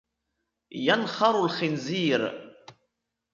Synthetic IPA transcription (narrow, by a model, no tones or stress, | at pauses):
janχɑɾˤʊlxɪnziːɾ